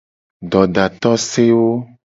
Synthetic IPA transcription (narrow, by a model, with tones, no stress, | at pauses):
ɖɔ˨ɖa˨t̪ɔ˦se˦wo˦